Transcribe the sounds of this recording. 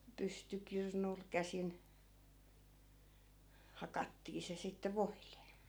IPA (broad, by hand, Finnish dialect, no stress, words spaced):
pystykirnul kæsin hɑkɑtːiː se sitːe ʋoile̥